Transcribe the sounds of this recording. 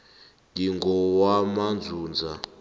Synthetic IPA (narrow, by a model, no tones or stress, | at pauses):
diŋɡɔwamand͡zuːnd͡za